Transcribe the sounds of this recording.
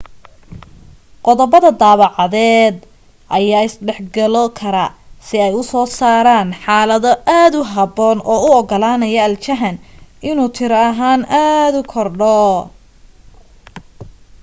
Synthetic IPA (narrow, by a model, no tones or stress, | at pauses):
qɔðɔbɐðɐd̪aːβɑʕɑðɛːd̪ | ʔɐjaːɪsɖɛħɡɐlɔkʰɐɾɐsɪɛjʊsɔːsaːɾaːnħaːlɐðɔʔaːd̪ʊɦɑbɔːnʔɔːʊɔɡɔlaːnɐjɐɐlt͡ʃɐɦɐnɪnuːt̪ʰɪɾɐɐɦaːnʔaːd̪ʊkʰɔrɖɔ